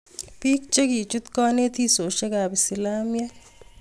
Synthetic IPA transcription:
piː˦k̚t͡ʃe˦ki˨t͡ʃu˦t̪kaː˦ne˦t̪i˦so˨ʃe˦ka˨bɪ˨sɪ˨laː˦mjɛ˦

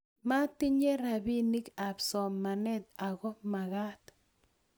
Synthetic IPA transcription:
ma˦tɪ˦ɲe˦ɾa˨bi˦ni˦ka˨psɔ˨mːa˨nɛ˦t̪̚a˨ɣɔ˦ma˨ɣa˦t̪

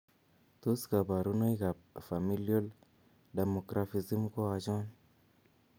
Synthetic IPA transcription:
t̪u˦ska˨ba˨ɾu˦na˦jka˨fa˨mi˦ljo˦l | ɖa˨mo˨kɾa˨fi˨zi˦mko˦a˨d͡ʒa˦n

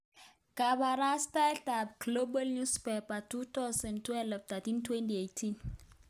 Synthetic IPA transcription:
kaba˨ɾa˦sta˦lta˨p̚ɡ̥lo˦bə˦lnu˦spepatu˦t̪a˦sə˨ntwɛ˦lft̪a˨tintwɛnti˨ejtʰin

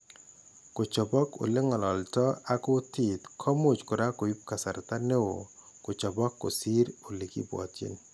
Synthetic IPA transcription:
ko˨t͡ʃɔ˨bɔ˦ko̰˨lɪ˦ŋɔ˨lɔ˨ltɔ˦a˦ko˦ti˨t̪kʰɔ˦mʊ˨t͡ʃkʊ˨ɾa˦ko˨i˦p̚ka˨sa˨ɾt̪a˦ne˦o˨ | ko˨t͡ʃɔ˨bɔ˦kːo̰˨si˦ɾʊ˨lɪ˨kḭ˦bwɔ̰˨t͡ʃɪ̰˦n

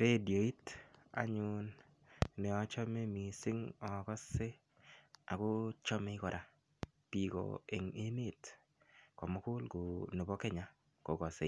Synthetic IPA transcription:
ɾe˦djo˨i˦ta̰˦ɲʊn | nɛ˨ɔ˦t͡ʃɔ˦me˦mi˨sɪ˦ŋɔ˨kɔ˦se˦ | a̰˨kʊ˦t͡ʃɔ˦me˦kɔ˨ɾa˨ | pi˨ɡɔ̰˨e˨ŋe˦me˦˨t | kɔ˨mɔ˦kʊ˦lɡʊ˨no˨bɔ˦kɛ˦ɲa˦ | ko˨ɡɔ˨sḛ˦

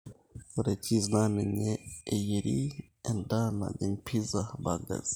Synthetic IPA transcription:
oɾe˨ci˦zna˦ne˨ɲeː˨jeɾi˦ | e˨nda˦na̰˨ɡe˨mpʰi˦zaba˨ɡa̰˨z̥i̥

